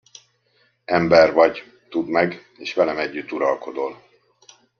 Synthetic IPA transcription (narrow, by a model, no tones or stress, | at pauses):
ɛmbɛrvɒɟ | t̪ud̪mɛɡ | eːʃʋɛlɛmɛɟːyt̪ːuɾɒlko̞d̪ol